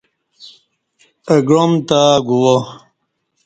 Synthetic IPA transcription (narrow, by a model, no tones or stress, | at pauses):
əɡɻomt̪aɡuwo